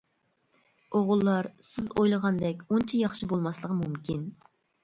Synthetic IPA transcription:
oʁʊlˠːɑɾsɪzojlˠəʁɑnd̪ɛkʲunt͡ʃʰijɑχʃibolˠmɑslˠəʁəmumkʲin

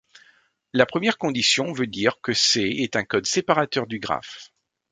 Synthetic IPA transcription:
lapχəmjɛʁkɔ̃d̪isjɔ̃vød̪iʁkəseɛt̪ɛ̃kɔd̪sepaʁat̪œʁd̪yɡʁa̰f

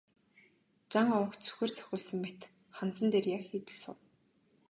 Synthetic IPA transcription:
t͡ɕaŋɔw̆kt͡sʰu̥xʲeːr̥t͡sʰœ̥xʲʊːɮsə̆ŋmet̪ | χan̥t͡sə̆nt̪eːrjakxiːt̪ɘ̆ɮsʊ̰w

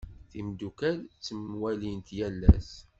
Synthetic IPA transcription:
θimd̪ukælt͡sːəmwælint̪jælːæ̰s

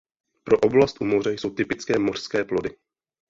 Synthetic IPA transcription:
pɾo̞ʔo̞blast̪ʔumo̞rɛjso̞wt̪ɪpɪt͡skɛːmo̞r̝̥skɛːplo̞dɪ

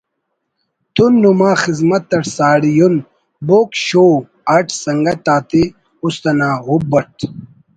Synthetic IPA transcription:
t̪unːumaːxizmɐt̪ːɐʈsaːɽijun | boːkɕoː | ɐʈʰsɐŋɡɐt̪aːt̪i | ust̪ɐnaːɦubɐʈ

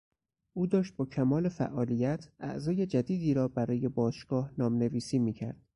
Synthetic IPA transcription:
ʔuːd̪ɒːʃt̪̚bɒːcʰæmɒːle̞fæ̰ʔːɒːliːjæt̪ʰʔæ̰ʔzɒːje̞d͡ʒæd̪iːd̪iːɾɒːbæɾɒːje̞bɒːʃɡ̥ɒːhnɒːmne̞viːsiːmiːcʰæ̰ɾd̪̥

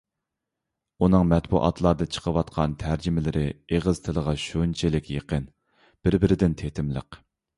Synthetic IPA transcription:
unɨŋmɛt̪bṵʔɑ̰t̪ʰlˠɑɾd̪ɨt͡ʃʰə̥qʰəwɑt̪qʰɑnt̪ʰæɾd͡ʒɪmɪlɪɾɪeʁəz̥t̪ʰɪlˠəʁɑʃunt͡ʃʰelɪkʲjeqən | b̥ɪɾbɪɾɪd̪ɪnt̪ʰet̪ʰɪmlˠə̰q

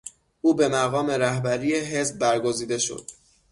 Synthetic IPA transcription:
ʔuːbe̞mæɣɒːme̞ɾæhbæɾijeɦe̞zb̚ːæɾɡo̞ziːd̪e̞ʃo̰d̪̥̚

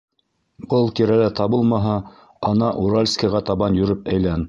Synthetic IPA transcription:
bɤlˠt̪iɾælæt̪ɑbɤlˠmɑɦɑ | ɑnɑʔuɾalʲskɑʁɑt̪ɑβɑnjɵ̆ɾɘpæjlæn

